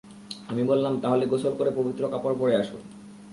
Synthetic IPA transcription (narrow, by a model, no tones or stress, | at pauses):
amibollamt̪aɦoleɡosʰolkoɾepobit̪ːɾokapoɾpoɾeaʃo̰